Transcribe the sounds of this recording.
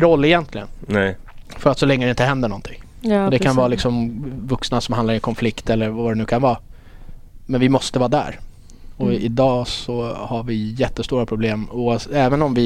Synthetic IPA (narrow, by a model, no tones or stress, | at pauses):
ɾɔlːɪjɛnt̪ʰlɪɡənnɛ | fœɾat̪sɔlɛŋːəd̪ɛɪnt̪əɦɛnd̪əɳɔnt̪ʰɪŋ | d̪ɛkʰanvɑːlɪksɔmvɵksnasɔmhand̪aɾɛnkʰɔnflɪkt̪ɛlːəɾvad̪ɛnʉ̟ːkʰanvɑː | mɛnvɪmɔst̪əvɑːd̪æ̰ːɾ | ɔɪd̪ɑːsɔhaɾvɪjɛt̪ːəst̪uːɾapʰɾʊbleːmuːasɛːvənɔmvɪ